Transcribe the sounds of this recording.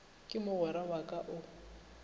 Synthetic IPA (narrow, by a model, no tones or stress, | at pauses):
kʼɪmʊɣɔɾawakʼaʔʊ